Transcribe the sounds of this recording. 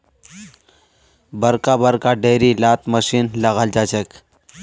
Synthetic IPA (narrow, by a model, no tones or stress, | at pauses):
bəɾkabəɾkaɖeɾilat̪məɕiːnləɣald͡ʑat͡ɕek